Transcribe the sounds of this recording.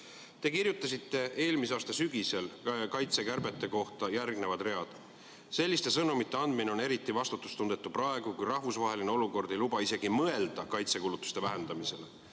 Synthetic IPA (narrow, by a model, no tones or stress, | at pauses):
t̪e̞kirjut̪ːˑɑsit̪ːe̞e̞ːlmisɑːst̪ɑsyɡ̥ise̞lkɑjt̪se̞kærbe̞t̪ːˑe̞ko̞ht̪ɑjærɡne̞vɑd̪̥re̞ɑd̪̥ | se̞lʲːist̪e̞sɤnumit̪ˑːe̞ɑnd̪mineo̞ne̞ɾit̪ːˑivɑst̪ut̪ːˑu̥st̪und̪̥e̞t̪ːˑuprɑe̞ɡ̥ukujrɑhvusvɑɦe̞line̞o̞luko̞rd̪e̞jlubɑise̞ɡimɤe̞ld̪̥ɑkɑjt̪se̞kulut̪ːˑu̥st̪e̞væɦe̞nd̪̥ɑmise̞le